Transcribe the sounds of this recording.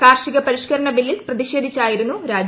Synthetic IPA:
kaːrʂiɣɐpɐɾiʂkɐɾɐɳɐbilːisprɐðiʂe̞ːd̪ʱit͡ɕːaːjiɾunːuɾaːd͡ʑ

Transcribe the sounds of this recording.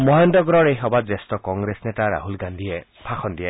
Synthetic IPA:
mɔɦendɔɡɔɾɔɾejɦɔbad͡ʒestɔkɔŋɡɾesnetaɾa̰ɦulɡand̪ʱiepʰaxʰɔnd̪ie

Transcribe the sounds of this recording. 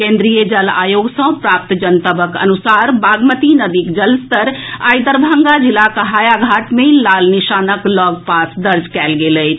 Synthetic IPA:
kẽnd̪ɾijəd͡ʒəla̰joɡsə̃pɾap̚t̪d͡ʒənt̪əbəkə̰nusaɾbaɡmət̪inəd̪ikd͡ʒəlst̪əɾa̰jd̪əɾbʱaŋɡad͡ʒilakəɦaːjaɡʱaʈmelalniʃanəklɔɡ̚pasd̪əɾd͡ʒkɛlɡelət͡ʃʰ

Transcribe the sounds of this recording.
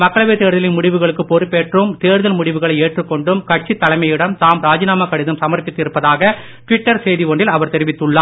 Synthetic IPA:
mɐkːɐɭɐʋiːɾt̪eːɾðɐlɪnmʊɽɪʋɯɣɐɭɯkːɯpɔɾɯpeːʈrɯmt̪eːɾðɐlmʊɽɪʋɯɣɐɭɐɪeːʈrɯkːɔɳɖɯmkɐʈ̚t͡ʃːit̪ːɐlɐɪmɐjɪɽɐmt̪aːmɾaːd͡ʒɪnaːmɐkːɐɽɪðɐmsɐmɐɾpɪt̪ːɪɾɯpːɐðaːɣɐ | ʈʋɪʈːɐɾsejðiʋɔɳɖɪlɐʋɐɾt̪ɛɾɪʋɪt̪ːɯɭːaː

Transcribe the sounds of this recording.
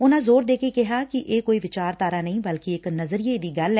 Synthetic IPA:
ʊnãːzoːɾd̪eːkeːkɪɦaːkɪʔeːkoːiːʋɪt͡ʃaːɾt̪aːɾaːnəĩːbəlkɪɪknəzɾiːeːd̪iːɡəlɛ

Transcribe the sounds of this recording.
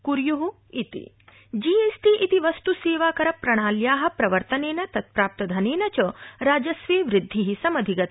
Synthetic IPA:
kuɾjuɦu | it̪ḭ | d͡ʒieːsʈiʔit̪iʋɐst̪useːʋaːkɐɾɐpɾɐɽ̃aːljaːɦɐ̆pɾɐʋɐɾt̪ɐneːnɐt̪ɐt̪̚pɾaːp̚t̪ɐd̪ʱɐneːnɐt͡ʃɐɾaːd͡ʒɐsʋeːʋɾɪd̪ʱːiɦisɐmɐd̪ʱiɡɐt̪

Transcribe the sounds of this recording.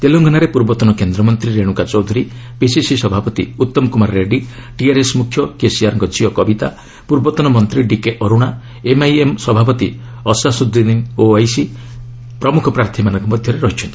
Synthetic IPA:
t̪eloŋɡʱɔnaɾepuɾbɔt̪ɔnɔkend̪ɾɔmɔnt̪ɾiɾeɽ̃ukat͡ʃɔwd̪ʱuɾipisisisɔbʱapɔt̪ḭut̪ːɔmɔkumaɾːeɖiʈiaɾesmukʰːjɔkesiaɾɔŋɡɔd͡ʒʱiɔkɔbit̪a̰ | puɾbɔt̪ɔnɔmɔnt̪ɾiɖikeʔɔɾuɽ̃a | emajemsɔbʱapɔt̪ḭ | ɔsasud̪id̪iŋoajsi | pɾɔmukʰɔpɾaɾt̪ʰimanɔ̃ŋkɔmɔd̪ʱjɔɾeɾɔɦit͡ʃʰɔnt̪i̥

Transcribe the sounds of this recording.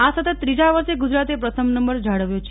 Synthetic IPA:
asət̪ət̪ːɾid͡ʒaʋəɾʃeɡud͡ʒɾat̪epɾət̪ʰəmnəmbəɾd͡ʒʱaɽəʋjot͡ʃʰ

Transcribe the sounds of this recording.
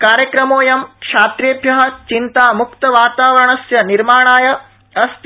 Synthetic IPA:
kaːɾjɐkɾɐmoːjɐmkʂaːt̪ɾjeːbʱjɐɦɐ̆t͡ʃint̪aːmukt̪ɐʋaːt̪aːʋɐɾɐɳɐsjɐniɾmaːɳaːjɐ | ɐst̪

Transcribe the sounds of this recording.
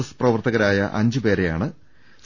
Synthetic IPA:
ɐsprɐʋɐrt̪ɐɣɐɾaːjɐ̰ʔɐɲd͡ʑɨpe̞ːɾe̞ja̰ːɳɨ | s

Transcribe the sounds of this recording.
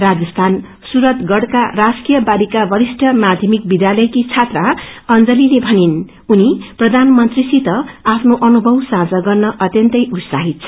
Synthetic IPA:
rad͡zʌst̪ʰan | suɾʌt̪ɡʌɽka̰raskijʌbaɾikabʌɾisʈʰʌmad̪ʱjʌmikbid̪jalʌjkit͡sʰat̪raʌnd͡zʌlilebʱʌnin | uniprʌd̪ʱanmʌnt̪risit̪ʌapʰnoʔʌnubʱʌwsãd͡zʌɡʌrnʌʔʌt̪jʌnt̪ʌjut̪saɦit̪̚t͡sʰʌ

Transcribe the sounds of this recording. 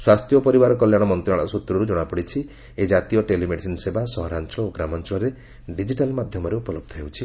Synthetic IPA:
swast̪jɔpɔɾibaɾɔkɔljaɽ̃ɔmɔnt̪ɾaɽ̃ɔsut̪ɾɔɾud͡ʒɔɽ̃apɔɽit͡ʃʰi | ed͡ʒat̪ijɔʈelimeɖisinsebasɔɦɔɾant͡ʃɔɭɔoɡɾamɔnt͡ʃɔɭɔɾe | ɖid͡ʒiʈalmad̪ʱjɔmɔɾeupɔlɔb̚d̪ʱɔɦewt͡ʃʰi

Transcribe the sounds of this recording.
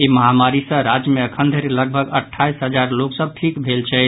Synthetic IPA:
eməɦamaɾisə̃ɾad͡ʒjəmeəkʰənd̪ʱəɾeləɡ̚bʱəɡəʈʰːaisɦəd͡ʒaɾloksəb̚ʈʰikbʱelt͡ʃʰɛ

